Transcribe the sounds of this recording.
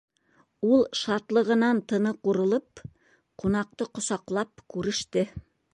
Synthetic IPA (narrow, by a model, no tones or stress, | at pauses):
ulˠʃɑt̪lˠɤ̆ʁɤ̆nɑnt̪ɤ̆nɤquɾɤ̆lˠɤp | qunɑq̚t̪ɤqŏsɑqlˠɑp̚kʉɾɘ̆ʃt̪ɘ